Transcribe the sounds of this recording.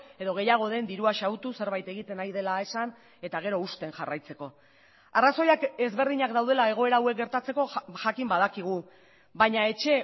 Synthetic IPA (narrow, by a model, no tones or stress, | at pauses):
e̞ðo̞ɣ̞e̞jaɣ̞o̞ð̞e̞nd̪iɾuaʃawt̪use̞ɾβajt̪e̞ɣit̪e̞najðe̞lae̞san | e̞t̪aɣ̞e̞ɾo̞ust̪e̞nʝarajt͡se̞ko̞ | araso̞jake̞zβe̞ɾðiɲakd̪awð̞e̞lae̞ɣ̞o̞e̞ɾaːwe̞k̚ɡeɾt̪at͡se̞ko̞ʝakimbað̞akiɣ̞u | βajɲae̞t͡ʃe̞